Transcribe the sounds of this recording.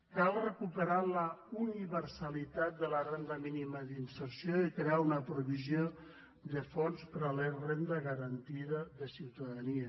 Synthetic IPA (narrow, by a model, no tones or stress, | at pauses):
kalˠrəkupəɾaləuniβəɾsalit̪at̪̚d̪ələrend̪əminiməðinsəɾsioikɾeaunəpɾuβizjo | d̪əfɔnspəɾalerend̪əɣəɾənt̪iðəðəsiwt̪aðaniə